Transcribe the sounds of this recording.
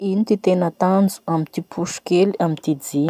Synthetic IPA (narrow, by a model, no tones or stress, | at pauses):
init̪it̪enət̪and͡zu̥amit̪ipʰuʃu̥keliamit̪id͡zi